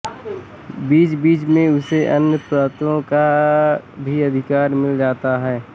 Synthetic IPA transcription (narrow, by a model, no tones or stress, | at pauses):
biːt͡ʃbiːt͡ʃmẽʊseʔɐnjəpɾaːt̪õka | bʱiɐd̪ʱɪkaːɾmɪld͡ʒaːt̪aɦɛː